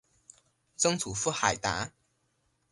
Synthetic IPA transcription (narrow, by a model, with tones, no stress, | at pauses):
t͡sɤ˥ŋt͡sʰu˨˩fu˥xa˨˩ɪjt̪a̰˨˧˥